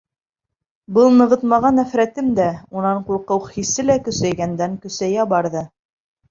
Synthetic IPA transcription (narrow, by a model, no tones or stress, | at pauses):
bɤlˠnɤ̆ʁɤt̪mɑʁɑnæfɾæt̪ɘmd̪æunɑɴquɾˠqɤwhisɘlækɵ̆sæjɡænd̪æŋkɵ̆sæjæbɑɾðɤ